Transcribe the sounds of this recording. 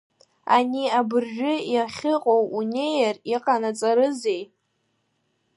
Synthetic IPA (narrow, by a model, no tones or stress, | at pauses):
aniabɨrʒᶣʊjaχʲɨqʼowune̞jariqʼanat͡sʼaɾɨzej